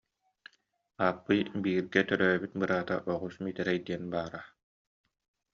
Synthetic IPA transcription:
aːpːɯjbiːɾɡɛt̪œɾœːbit̪̚bɯɾaːt̪a̰ʔɔʁusmit̪ɛɾɛjd̪iɛnbaːɾa

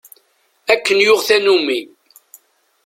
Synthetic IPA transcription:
ækːənjʊʁθænumi

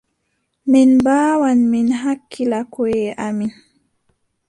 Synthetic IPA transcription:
minbaːwanminɦakʰːilakweʔamin

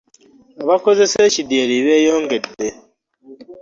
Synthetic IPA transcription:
aβako̞ze̞se̞ːcidjeɾiɾeːjoːŋɡe̞de

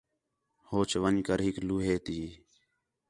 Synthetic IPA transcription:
hoːt͡ʃʋəɲkəɾɦɪkluːɦeːt̪iː

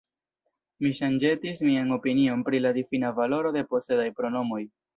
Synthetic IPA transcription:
miʃand͡ʒe̞tismiaŋo̞pinio̞npɾiladifinavalo̞ɾo̞de̞po̞se̞dajpɾo̞no̞mo̞j

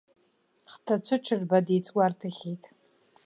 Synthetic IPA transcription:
χtʰat͡ɕʷʰʊʈ͡ʂʰɨrbadit͡sʰʼwartʰaχʲijtʼ

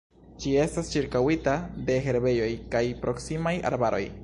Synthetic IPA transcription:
d͡ʒie̞stast͡ʃiɾkawitade̞ɦe̞ɾbe̞jo̞jkajpɾo̞ksimaja̰ɾbaɾo̞j

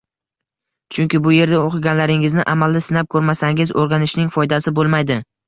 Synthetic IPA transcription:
t͡ʃʰʊŋkʲɪbʊje̞ɾd̪aoqʰɨɡʲanlaɾɪŋɪznɪʔamalːɪsɪnap̚kʰɵɾmasaŋʲɪzoɾɡʲanɪʃnɪŋfɒjd̪asɪbolˠmajd̪ɪ

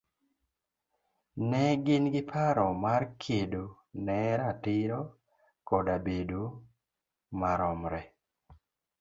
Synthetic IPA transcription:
nɛɡɪnɡɪpʰaɾɔmarkʰedo | nɛɾatɪɾɔ | kɔdabedo | maɾɔmɾɛ

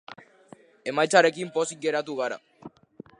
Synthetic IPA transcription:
e̞majt͡saɾe̞kimpo̞sik̚ɡe̞ɾat̪uɣ̞aɾa̰

